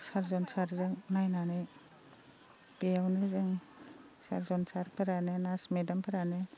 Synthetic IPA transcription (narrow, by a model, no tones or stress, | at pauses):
saɾzɔnsaɾzɯŋnajnanɯj | pejawnɯzɯŋ | saɾzɔnsaɾpʰɐɾanɯnasmedampʰɐɾanɯ